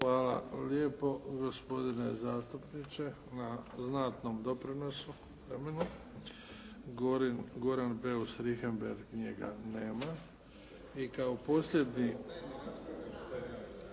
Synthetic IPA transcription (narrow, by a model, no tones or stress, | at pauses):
xʋaːla̰ljepo̞ɡo̞spo̞d̪ine̞zaːst̪upnit͡ʃe̞ | naznaːt̪nomd̪o̞pɾinosu | ʋɾemenu | ɡoɾanbeusɾixembeɾɡɲeɡa̰ne̞ːma | ikaoposlʲjed̪ɲi